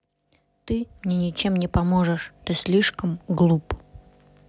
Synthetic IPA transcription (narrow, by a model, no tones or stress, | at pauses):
t̪ɨmnʲenʲɪt͡ɕemnʲɪpɐmoʐəʂt̪ɨsʲlʲiʂkəmɡlˠup